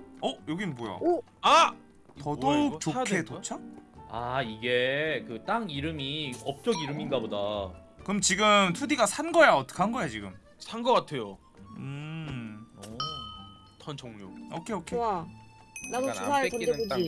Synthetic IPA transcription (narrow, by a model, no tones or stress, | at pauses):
ʌjoɡibojo̰o | a | tʌdot͡ɕokʰetot͡ɕʰaaiɡekɯt͈aŋiɾɯmiʌp̚t͡ɕ͈ʌɡiɾɯminɡaboda | kɯmt͡ɕiɡɯmtʰudiɡasʰanɡʌjaʌt͈ʌ̥kʰanɡʌejat͡ɕiɡɯ̰m | sʰanɡʌk͈atʰe̞jo | ɯ | tʰant͡ɕʌŋɲoʌkʰeokʰea | naɡosʰaʌdeod͡ʑi